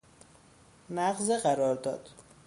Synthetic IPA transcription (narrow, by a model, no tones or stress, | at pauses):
næɢzeɢæɾɒːɾd̪ɒ̰ːd̪̥